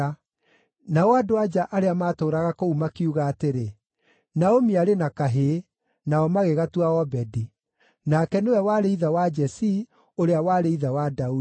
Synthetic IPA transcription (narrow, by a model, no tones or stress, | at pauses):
naoadoad͡ʒaʔaɾeamaːtoːɾaɣakoumakiuɣaːteɾe | naomiaɾenakaɦe | naɔmaɣeɣatuaɔbɛdi | nakɛnewɛwaɾeiðawad͡ʒɛsi | oɾeawaɾeiðawadau